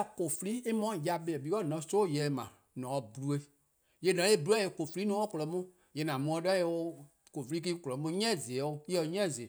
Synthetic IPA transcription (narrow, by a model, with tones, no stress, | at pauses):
ko˨fi˧˦li˦e˦mɔ̃˦˨ja˧be˨ɛ˨bi˨˦kɔ˦˨nɔ̃˨˦soː˦˨jɛ˨mã̰˨ | nɔ̃˨ɔ˧bu˨lu˦e˧ | je˨˧˨nɔ̃˨˦e˦˨bu˦u˦a˦je˧ko˨fi˧li˦nũ˦ɔ˦kɔ˨lɔ˨˦mũ˦ | jɛ˨nã˨mũ˧˦ɔ̃˧˦dɔ˦e˧o˧ | ko˨fi˧li˦k̬i˦ko˨lɔ˨˦mũ˦ɲɛ̃˦˨ze˨˦o˦i˦ɔ˧ɲɛ̃˦˨zi˨e˨